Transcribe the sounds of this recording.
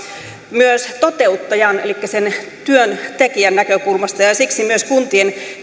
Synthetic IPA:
myøst̪ot̪eut̪ːɑjɑnḛlikːæsent̪yønt̪ekiænːækøkulmɑst̪ɑjɑsiksimyøskunt̪ien

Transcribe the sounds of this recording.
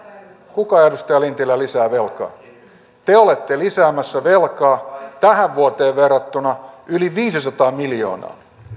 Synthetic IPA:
kukɑedust̪ɑjɑlint̪ilːælisæːʋe̞lkɑ̰ː | t̪eo̞le̞t̪ːelisæːmæsːæʋe̞lkɑːt̪æɦæʋʋuot̪e̞ːʋʋerːɑt̪ːunɑyliʋiːsisɑt̪ɑːmiljo̞̰ːnɑ̰ː

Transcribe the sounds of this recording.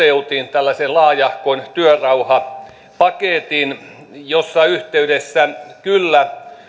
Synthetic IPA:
eut̪int̪ælːæsellɑːjɑhkoint̪yørɑuhɑ | pɑkeˑt̪in | josːɑyht̪eydesːækylːæ

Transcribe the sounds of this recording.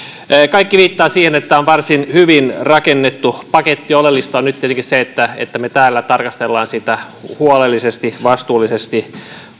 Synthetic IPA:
kɑikːiʋiːt̪ːɑːsiːhenet̪ːæoʋʋɑrsinhyʋinrɑkenːet̪ːupɑket̪ːiolelːist̪ɑonyt̪ːieseŋkisseet̪ːæḛt̪ːæmet̪æːlːæt̪ɑrkɑst̪elːɑːnsit̪æ | huolelːisest̪iʋɑst̪uːlːˑisest̪i

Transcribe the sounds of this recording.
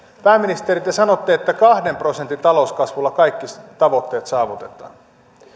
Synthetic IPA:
pæːmːinist̪eɾit̪ːesɑno̞t̪ːeet̪ːækɑhde̞mpro̞se̞nt̪int̪ɑlo̞uskɑsʋulːɑkɑjkːit̪ɑʋo̞t̪ːe̞ːt̪sɑːʋut̪e̞t̪ˑɑ̰ːn

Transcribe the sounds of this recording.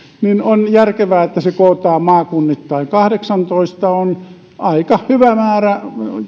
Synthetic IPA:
ninonjærkeʋæːet̪ːæsekoːt̪ɑːmɑːkunːit̪ːɑiŋkɑhɾeksɑnt̪oist̪ɑon | ʔɑikɑhyʋæmæːræ

